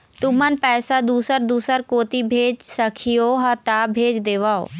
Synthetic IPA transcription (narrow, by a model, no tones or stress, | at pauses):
t̪ʊm̤ənɪ̆pɛːsad̪uːsəɾd̪uːsəɾkoːt̪ibʱeːd͡ʒsɐkʰijoɦɐt̪abʱeːd͡ʒd̪eːʋaːo̰ː